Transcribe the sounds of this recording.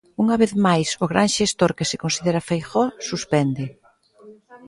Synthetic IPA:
uŋɐβeθmajsʊɣɾaŋʃest̪oɾkɪsɪkonsiðeɾɐfejxɔsuspɛnd̪ɪ

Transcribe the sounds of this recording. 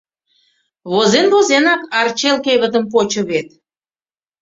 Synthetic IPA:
βozenβozenɑkɑrt͡ɕelkeβə̆t̪əmp̬ot͡ɕə̆βet̪̚

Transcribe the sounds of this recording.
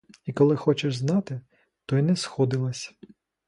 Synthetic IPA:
ikɔlˠɪxɔt͡ʃɛʒznɑt̪ɪ | t̪ɔjnɛsxɔd̪ɪlˠɐsʲ

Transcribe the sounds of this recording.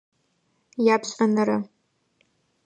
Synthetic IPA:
japʰɕʼanɨɾa

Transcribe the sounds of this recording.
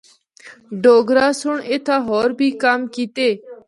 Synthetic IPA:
ɖoːɡɾaːsʊɳeːt̪ʰaːɦoːɾbʱiːkaːmkiːt̪eː

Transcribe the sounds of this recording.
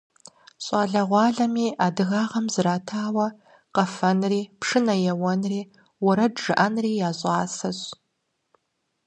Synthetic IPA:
ɕʼɑːɮɐʁʷɑːɮɐmiːʔaːdɨɣaːʁɐmzɨɾaːtʰaːwɐ | qɐfɐnriːpʂɨnɐjɛwɔnriː | wʊɾɐdʐɨʔɐnriːjaːɕʼɑːsɐɕ

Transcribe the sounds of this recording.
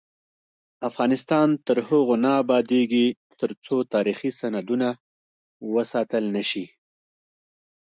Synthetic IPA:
afɣɑnɪst̪ɑnt̪əɾhʊɣonɑːbɑd̪eɡit̪əɾt͡sot̪ɑɾixisanad̪una | wəsɑt̪əlnəʃi

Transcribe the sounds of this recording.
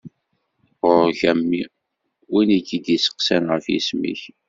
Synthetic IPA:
oɾçæmːi | winiɡid̪isə̥qsænʁəfjḭsmḭç

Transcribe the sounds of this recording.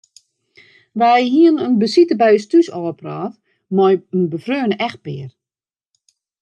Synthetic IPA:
ʋajɦiənənbəsitəbɛjəstysɔːpraːf | mɔjənbəfrøːnəʔɛx̚pɪːər

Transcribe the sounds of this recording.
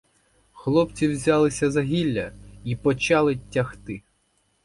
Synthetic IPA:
xlˠɔpt͡sʲiwzʲɑlˠɪsʲɐzɐɦʲilʲːɐipɔt͡ʃɑlˠɪtʲːɐxt̪ɪ

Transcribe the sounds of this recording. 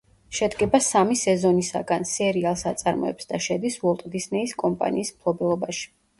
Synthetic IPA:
ʃɛd̪ɡɛbasamisɛzɔnisa̰ɡansɛɾialˠsat̪sʼaɾmɔ̰ɛ̰psd̪aʃɛd̪isvɔlˠt̪ʼd̪isnɛiskʼɔmpʼa̰niːsmpʰlˠɔbɛlˠɔbaʃi̥

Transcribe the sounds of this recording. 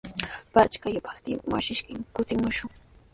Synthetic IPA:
pat͡ʃkajʊpḁkt̪ɪwa̰ʃɪʃkɪmkʊt̪ɪmʊʃʊŋ

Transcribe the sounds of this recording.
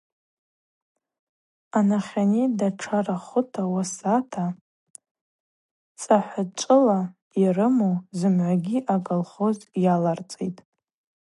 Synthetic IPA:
anaχʲanidaʈ͡ʂʰaraχʷʊtʰawasatʰa | t͡sʼaħʷat͡ʃʷʼɨla | irɨmowzɨmʕʷaɡʲiʔakʼalχozjalart͡sʼetʼ

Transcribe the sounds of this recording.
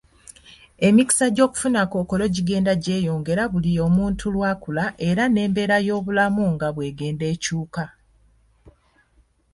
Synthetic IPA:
e̞miki̥saɟo̞ːku̥funako̞ːko̞lo̞ɟiɡe̞ːndaɟe̞ːjoːŋɡe̞ɾaβulijo̞ːmuːntʰulwaːkulaʔe̞ɾane̞ːmbe̞ːɾajo̞ːβulamuŋɡaβwe̞ːɡe̞ːnde̞ːcuːka

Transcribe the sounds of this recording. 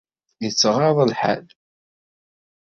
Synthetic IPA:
jət͡sːʁɑðˤəlħa̰l

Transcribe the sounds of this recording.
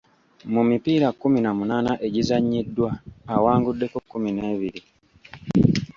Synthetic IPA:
mumipiːɾakuminamunaːnaʔe̞ɟizaɲːidːwaːwaːŋɡudːe̞kokːumine̞ːβiɾi

